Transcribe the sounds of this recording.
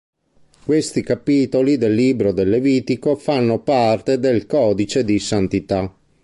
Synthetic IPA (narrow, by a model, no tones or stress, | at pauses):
kwest̪ikapiːt̪olid̪elːiːbɾod̪elːeviːt̪ikofanːopart̪ed̪elkɔːd̪it͡ʃed̪isant̪it̪a